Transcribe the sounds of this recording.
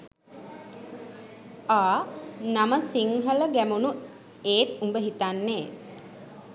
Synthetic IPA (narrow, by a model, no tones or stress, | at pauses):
aːnaməsiŋɦələɡæmunu | eːt̪umbəɦit̪anːeː